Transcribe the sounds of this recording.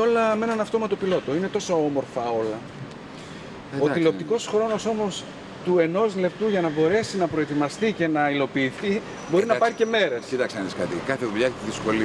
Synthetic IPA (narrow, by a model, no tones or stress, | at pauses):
o̞lɐme̞nɐnɐft̪o̞mɐt̪o̞pilo̞t̪o̞ine̞t̪o̞soomo̞ɾfɐo̞lɐ | oilo̞p̚t̪iko̞sxɾo̞no̞so̞mo̞s | t̪ue̞no̞zle̞p̚t̪uʝɐnɐbo̞ɾe̞sinɐpɾo̞e̞t̪imɐst̪ice̞nɐilo̞piːθi | bo̞ɾinɐpɐɾice̞me̞ɾesit̪ɐkseniskɐt̪ḭkɐθeðuʎɐkt̪iðisko̞li